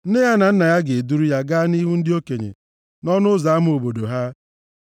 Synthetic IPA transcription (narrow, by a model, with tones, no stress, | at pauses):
n̩˦e˦ja˦na˨n̩˦na˨ja˦ɡɪ˨e˨du˦ɾu˦ja˦ɡa˦ni˦ɦu˦n̩˦dɪ˦o˦ke˨ɲḛ˨ | nɔ˦nʊ˦za˨˦m˦o˨bo˨do˨ɦa˦